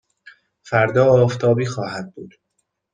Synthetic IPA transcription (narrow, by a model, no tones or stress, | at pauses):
fæɾd̪ɒːɒːft̪ʰɒːbiːxɒːhæd̪̚buːd̪̥